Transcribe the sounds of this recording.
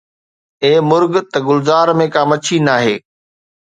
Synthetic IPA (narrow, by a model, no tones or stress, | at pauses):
eːmʊɾɡt̪ɐɡʊlzaːɾmẽkaːmɐt͡ɕʰinaːɦeː